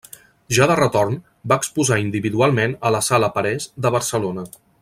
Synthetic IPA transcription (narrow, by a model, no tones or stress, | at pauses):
ʒaðərət̪orn | baəkspuzaind̪iβiðualˠmenələsaləpəɾɛzd̪əβəɾsəlonə